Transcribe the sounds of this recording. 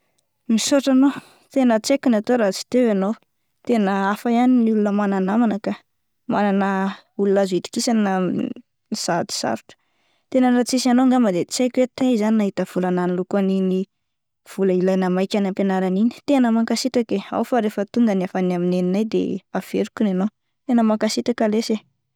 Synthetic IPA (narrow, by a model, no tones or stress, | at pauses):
misoʈ͡ʂano | t̪enət͡sekʲinat̪oɾat͡si̥t̪ewanow | t̪enəafajaniniulunəmananamanəka | mananə | ulunazuit̪i̥kisanə | iz̥ad̪i̥sa̰ɾuʈ͡ʂə̥ | t̪enənat͡sisanoŋɡaməd̪et͡sajkʲwet̪ezaninaɦit̪əv̥ulananilukanini | v̥uləilajnəmajkʲanampenaɾanini̥t̪enəmaŋkasit̪akea̰wfaɾefət̪uŋɡəniafanamineninajd̪ḛav̥eɾukunanow | t̪enəmakasit̪akəlese